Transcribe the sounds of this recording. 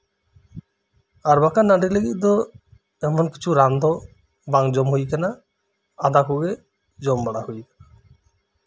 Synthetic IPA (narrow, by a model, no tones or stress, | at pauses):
aɾbakanaɖileɡḭtd̪ɔ | ɛmɔnki̥t͡ʃʰuɾand̪ʱɔ | baŋd͡ʒɔmɦojkana | ad̪akoɡe | d͡ʒɔmbaɽahojkḁna